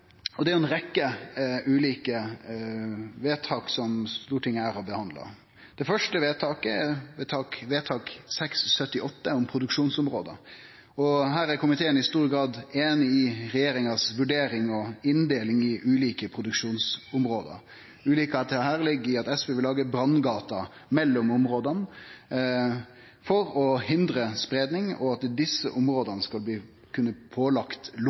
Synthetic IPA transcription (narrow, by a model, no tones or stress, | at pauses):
ɔd̪ɛæɾʊɛnɾɛkːəʉːliːkə | ʋeːt̪ʰɑːksɔmst̪uːʈʰɪŋːəæɾɔbəhɑnd̪lɑ̰ | d̪̥ɛfœʂʈəʋeːt̪ʰɑːkəɛʋeːt̪ʰɑːkʋeːt̪ʰɑːksɛkssœt̪ːɪʔɔt̪ːəʊmpʰɾʊd̪ʉkʂuːnsʊmɾoːd̪ə̰ɾ | ɔɦæːɾæɾkʰʊmɪt̪ʰeːənɪst̪uːɾəɡɾɑːd̪eːnɪɪɾɛjeːɾɪŋɑsʋʉɖeːɾɪŋɔɪnd̪eːlɪŋɪʔʉːliːkəpʰɾʊd̪ʉkʂuːnsʊmɾoːd̪ə̰ɾ | ʉːliːkɑɑt̪̚d̪ɛhæːʁlɪɡɪɑt̪ɛsʋeːʋɪlɑːɡəbɾɑnɡɑːt̪ɑ | mɛlːʊmʊmɾoːd̪ɑn | fɔɾɔhɪnd̪ɾəspɾeːd̪nɪŋɔɑt̪d̪ɪsːə̰ʔʊmɾoːd̪ɑnəskɑlbliː | kʰʉnːəpʰoːlɑkt̪l